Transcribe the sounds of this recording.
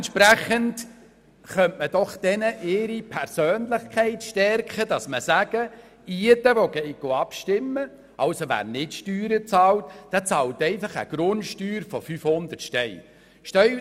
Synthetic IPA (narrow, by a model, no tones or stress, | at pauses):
ntʃpɾæχənt | χœntməd̥ɔχd̥ɛnəʔɪɾipʰɛɾsøːnlɪχkʰɛɪtʃtɛɾkχədɑsməsæɡ̥ə | iədəʋɔɡ̥ɛɪɡ̥oɑpʃtɪmːə | ɑwsoʋæ̰ːrnɪtʃtyːɾət͡sɑːltd̥ɛt͡sɑːltɛɪfɑχə̰ɡ̥ɾʊntʃtyːɾfɔfyfhʊnd̪ətʃtɛl | ʃtœ